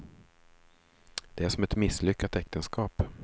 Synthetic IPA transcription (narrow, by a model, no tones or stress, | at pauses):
d̪̥ɛæʂɔmɛt̪mɪsːlʏkːat̪ɛk̚t̪ənskʰɑːp